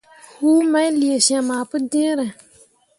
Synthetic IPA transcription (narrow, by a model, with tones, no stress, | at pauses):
huː˦ma˦jli˨e˨sã˨maː˨pɨ˦dɪ̃˦ɾɨ˨